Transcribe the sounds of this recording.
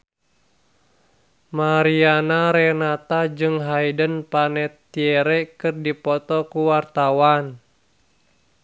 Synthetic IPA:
maɾianaɾɛnat̪ad͡ʒɨŋɦajdənpanɛt̪ːiɛɾɛkɨrdipɔt̪ɔkuwart̪awan

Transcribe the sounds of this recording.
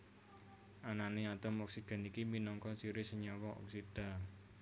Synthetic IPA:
ʔananeat̪əmɔksid̪̥a̤nikiminɔŋkɔsiɾɪsəɲawɔʔɔ̰ksid̪̥a̤

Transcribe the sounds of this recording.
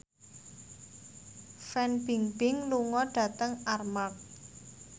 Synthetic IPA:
fɛnb̥iŋb̥ɪŋluŋɔɖ̥ä̤t̪əŋarmak̚

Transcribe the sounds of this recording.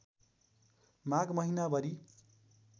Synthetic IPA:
mãɡmʌɦinabʌɾi

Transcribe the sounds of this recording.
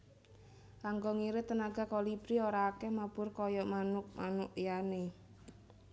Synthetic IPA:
kaŋɡɔŋiɾɪt̪ənaɡa̤kɔlib̥ɾioɾaːkɛhmab̥ʊrkɔjɔʔmanʊk̚manʊʔjane

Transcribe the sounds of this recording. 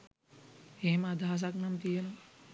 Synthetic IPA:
hemad̪ʱaːs̬aknamt̪ijen

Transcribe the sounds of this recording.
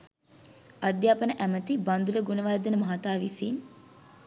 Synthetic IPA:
ɐd̪jaːpənəʔæmət̪iband̪uləɡunəʋajd̪ənəmɐɦat̪aːʋisin

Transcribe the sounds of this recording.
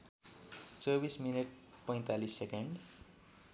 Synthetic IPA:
t͡sʌbismineʈ̚ | pʌj̃t̪alisːekeɳɖ

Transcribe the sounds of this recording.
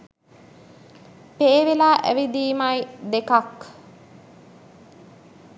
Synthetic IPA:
peːʋelaːʔæ̰ʋid̪iːmajd̪ekak

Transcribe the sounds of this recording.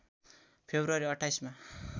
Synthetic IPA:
pʰebɾʌɾiʌʈʰajsma

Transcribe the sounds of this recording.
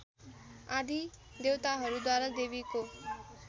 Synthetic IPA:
aːɖiː | d̪eːʋt̪aɦəɾud̪aːɾəd̪eːʋikoː

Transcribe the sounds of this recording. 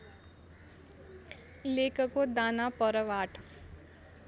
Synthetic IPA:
leːkəkod̪aːnapəɾəʋaːʈʰ

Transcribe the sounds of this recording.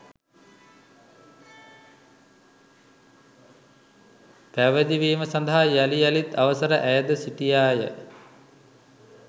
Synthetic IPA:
pæʋəd̪iʋiːməsand̪aɦajalijalit̪aʋəsəɾəʔæjəd̪əsiʈijaːjə

